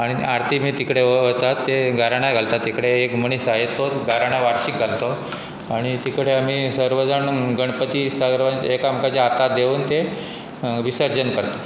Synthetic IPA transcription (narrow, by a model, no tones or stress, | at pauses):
aɽ̃iaɾt̪ʰimiːt̪ikɽeəət̪at̪ːeɡʱaɾaɽ̃aɡʱalt̪at̪ːikɽeekməɽ̃isaɦet̪oɡʱaɾaɽ̃aʋaɾɕik̚ɡʱalt̪o | aɽ̃it̪ikɽeam̤iːsəɾʋəd͡zaɳɡəɳpət̪iːsaɡɾʋanekamkat͡ɕjaat̪ad̪euːnt̪e | ʋisəɾd͡ʑənkəɾt̪o